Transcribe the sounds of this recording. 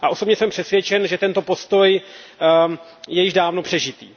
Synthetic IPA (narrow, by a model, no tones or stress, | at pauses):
ʔaʔo̞sobɲɛsɛmpr̥ɛt̪svjɛt͡ʃɛnʒɛt̪ɛnt̪o̞po̞st̪o̞j | jɛjɪʒdaːvno̞pr̝̥ɛʒɪt̪ḭː